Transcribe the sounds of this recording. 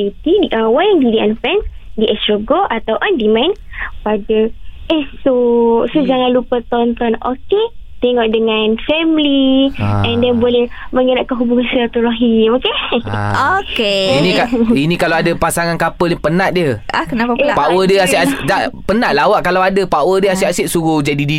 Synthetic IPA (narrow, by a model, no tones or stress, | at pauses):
it̪idiʔawajandidianfɛns | diʔɛst̪ɾoɡoʔat̪awʔandimãjn | padəʔesosod͡ʒaŋãnlupət̪ɔnt̪ɔno̰ket̪ɛŋɔʔ̚dəŋãnfɛmliɛ̃ndɛnbolɛh | mə̃ŋənaʔ̚kanɦubuŋãnsiɾat̪uɾaɦimokḛokeinikainikalawadapasaŋankapəlɲpənaʔ̪̚diəahkənapalapaʔwədiəasʔasʔdaʔpənaʔ̪̚lawaʔkalawadapawədiəasiʔasɪʔ̪̚suɣud͡ʒadidi